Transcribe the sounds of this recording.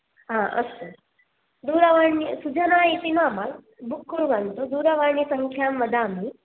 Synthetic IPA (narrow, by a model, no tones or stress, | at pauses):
ɦãːʔɐ̰st̪o | d̪uːɾaʋaːɳːisud͡ʒɐnaːit̪inaːmak | bukːuɾʋant̪od̪uːd̪aʋaːɳisɐŋkʰjaːmʋɐd̪ʱaːmi